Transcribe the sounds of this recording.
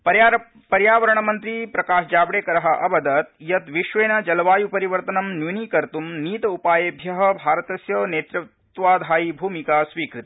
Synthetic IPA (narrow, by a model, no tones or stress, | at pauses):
pɐj | pɐɾjaːʋɐɾɐɳɐmɐnt̪ɾipɾɐkaːʃd͡ʒaːbɽeːkɐɾɐɦɐ̆ʔɐbɐd̪ɐt̪jɐt̪ʋiʃʋeːnɐd͡ʒɐlʋaːjupɐɾiʋɐɾt̪ɐnɐmnjuniːkɐɾt̪umniːt̪ɐupaːjebʱjɐɦɐ̆bʱaːɾɐt̪ɐsjɐneːt̪ɾutt̪ʋaːd̪ʱaːjibʱuːmikaːsʋiːkɾit̪i̥